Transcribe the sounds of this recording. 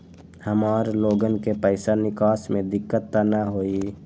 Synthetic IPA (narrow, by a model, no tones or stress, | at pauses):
həmaːɾloːɡənkepəɪsanɪkaːsmẽd̪ɪkːət̪ːanəɦoːi